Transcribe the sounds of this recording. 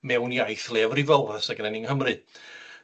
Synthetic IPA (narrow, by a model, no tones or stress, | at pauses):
mɛwnjajθlˠɛːvrivɔlˠəsaɡnɛnɪŋhəmrɨ